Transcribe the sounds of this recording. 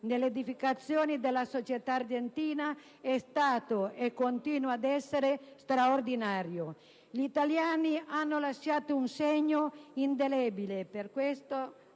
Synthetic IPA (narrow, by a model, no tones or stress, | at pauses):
nelːeːd̪ifikat̪sːjoːnid̪elːasot͡ʃet̪aːrd͡ʒent̪iːna | ɛst̪aːt̪oekːont̪iːnuad̪ɛsːeɾest̪ɾaord̪inaːɾjo | ʎit̪aljaːnianːolaʃːaːt̪ounseɲːoind̪elɛbileperkwest̪o